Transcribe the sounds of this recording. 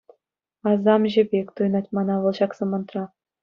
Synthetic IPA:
ɑzɑmʑɘ̆bʲekʲt̪ujnɑtʲmɑnɑʋɤ̆lˠɕɑksɤ̆mɤ̆nt̪rɑ

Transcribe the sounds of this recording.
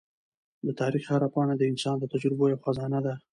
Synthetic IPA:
d̪ət̪ɑɾixhaɾapɑnad̪əɪnsɑnd̪ət̪ad͡ʒɾɪbojawxazɑnad̪a

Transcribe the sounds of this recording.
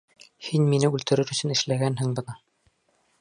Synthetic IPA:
hinminɘʉlt̪ɘ̆ɾɘɾɵ̆sɵnɘ̆ʃlæɡænhɘŋbɤ̆nɤ

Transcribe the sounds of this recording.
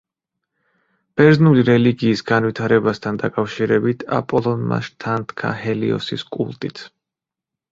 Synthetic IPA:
b̥ɛɾznuliɾɛliɡiːsɡanvit̪ʰaɾɛbast̪ʰand̪akʼafʃiɾɛbit̪ʰa̰pʼɔlˠɔnma̰ʃt̪ʰant̪ʰkʰa̰hɛliɔ̰siskʼṵlˠt̪ʼit̪ʰ

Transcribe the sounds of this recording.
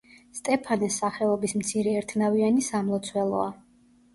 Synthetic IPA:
st̪ʼɛpʰanɛsːaχɛɔbismt̪sʰiɾɛːɾt̪ʰnavianisamlˠɔt̪sʰwɛlˠɔ̰a

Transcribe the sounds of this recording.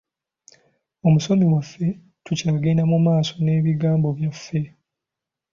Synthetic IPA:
o̞muso̞miwafːe̞ | tucaːɡenamumaːso̞ne̞ːβiɡaːmbo̞βjafːe̞

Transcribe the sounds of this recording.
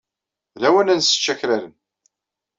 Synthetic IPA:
læwənænsə̥t͡ʃːæçɾælən

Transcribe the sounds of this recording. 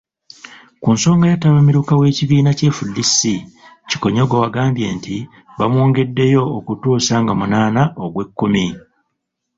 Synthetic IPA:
kuːnso̞ːŋɡajataβamiɾukawe̞ːciβiːnace̞ːfulːisːi | ci̥ko̞ɲo̞ɡowaɡaːmbje̞ːnti | βamwoːŋɡe̞dːe̞jo̞ːkutuːsaŋɡamunaːnaʔoɡwe̞kːumi

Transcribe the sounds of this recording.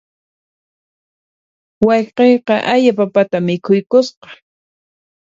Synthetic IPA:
wɑjqejqɑʔaʎapapat̪amɪkʰʊjkʊsqɑ̥

